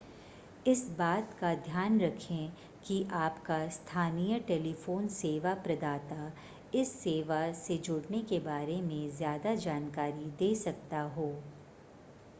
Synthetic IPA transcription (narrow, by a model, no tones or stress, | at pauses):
ɪsbaːt̪kad̪ʱjaːnɾɐkʰẽ | kiʔaːpkast̪ʰaːnijəʈeːlifoːnseːʋapɾɐd̪aːt̪a | ɪsːeːʋased͡ʒʊɽnekebaːɾemẽzjaːd̪ad͡ʒaːnkaːɾid̪eːsɐk̚t̪aɦoː